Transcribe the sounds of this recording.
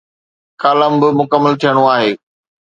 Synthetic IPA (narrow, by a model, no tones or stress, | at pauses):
kaːləmbɪmʊkəmːəlt̪ʰijəɽ̃oaːɦeː